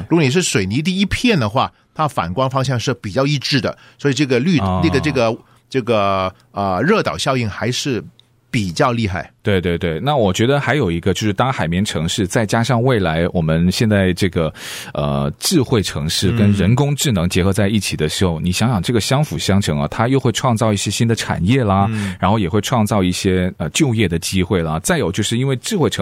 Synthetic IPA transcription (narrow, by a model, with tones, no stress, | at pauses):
ɻu˧˥ɡɔ˧˩ni˨˩ʂɻ̩˥˩ʂwe˨˩ɪni˧˥t̪̬i˥˩i˥pʰjɛ˥˩nd̪ə˩xwa˥˩ | t̪ʰa˥fa̰˨˩nkwa˥nfɑ˥ŋɕ̬jɑ˥˧ŋʂɻ̩˥˩pi˨˩t͡ɕjɑ˥˧ʊi˥˧ʈ͡ʂɻ̩˥˩d̪ə̰˩ | swɔ˧˥i˨˩ʈ͡ʂɤ˥˩ɡə˩ly˥˧ə˥˩ɡə˩˧ɤ˥˩ɡə˩ | ʈ͡ʂɤ˥˩ɡə˩ | ə˩ɻɤ˥˩t̪ɑ˨˩ʊɕjɑ˥˧ʊi˥˩ŋxa˧˥ɪʂɻ̩˥˩ | pi˨˩t͡ɕjɑ˥˧ʊli˥˧xa˥˩ɪt̪we˥˧ɪt̪we˥˧ɪt̪we˥˩ɪna˥˩wɔ˨˩t͡ɕɥɛ˧˥d̪ə˧xa˧˥ɪjo˨˩ʊi˧˥ɡə˧t͡ɕjo˥˧ʊʂɻ̩˥˩t̪a˥ŋxa˨˩ɪmjɛ˧˥nʈ͡ʂʰɤ˧˥ŋʂɻ̩˥˧t͡sa˥˩ɪt͡ɕja˥ʂɑ˥˧ŋwe˥˩ɪla˧˥ɪwʔɔ˨˩mə˦nɕjɛ˥˧nt͡sa˥˧ɪʈ͡ʂɤ˥˩ɡə˩ | ə̰˧ʈ͡ʂɻ̩˥˧xwe˥˩ɪʈ͡ʂʰɤ˧˥ŋʂɻ̩˥˩kə˥nɻə˧˥nkʊ˥ŋʈ͡ʂɻ̩˥˩nɤ˧˥ŋt͡ɕjɛ˧˥xɤ˧˥t͡sa˥˧ɪi˥˩t͡ɕʰi˨˩d̪ə˦ʂɻ̩˧˥xo˥˩ʊni˨˩ɕjɑ˧˥ŋjɑ˨˩ŋʈ͡ʂɤ˥˩ɡə˩ɕjɑ˥ŋfu˨˩ɕjɑ˥ŋʈ͡ʂʰɤ˧˥ŋɐ˧˩t̪ʰa˥jo˥˧ʊxwe˥˧ɪʈ͡ʂʰwɑ˥˧ŋt͡sɑ˥˧ʊi˥˩ɕjɛ˥ɕi˥nd̪ə˨ʈ͡ʂʰa̰˨˩njɛ˥˩lɐ˩ɻa˧˥nxo˥˩ʊjɛ˨˩xwe˥˧ɪʈ͡ʂʰwɑ˥˧ŋt͡sɑ˥˧ʊi˥˩ɕjɛ˥ə˧t͡ɕjo˥˧ʊjɛ˥˩d̪ə˩t͡ɕi˥xwe˥˩ɪlɐ˩t͡sa˥˩ɪjo˨˩ʊt͡ɕjo˥˧ʊʂɻ̩˥˩i˥nwe˥˧ɪʈ͡ʂɻ̩˥˧xwe˥˩ɪʈ͡ʂʰ